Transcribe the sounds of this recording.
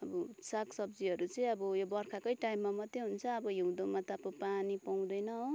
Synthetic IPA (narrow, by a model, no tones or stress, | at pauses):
ʌbʌsaksʌbd͡ziɦʌɾut͡sʌĩʌbʌjobʌrkʰakʌjʈajimːamʌt̪ːeɦunt͡sʰʌːbʌjiw̃d̪omʌt̪apopanipaw̃d̪ʌjnʌo